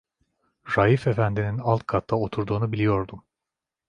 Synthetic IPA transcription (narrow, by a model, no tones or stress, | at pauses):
ɾaife̞fænd̪ininalˠt̪̚kʰat̪ʰːao̞t̪ʰuɾd̪uːnubilʲijo̞ɾd̪um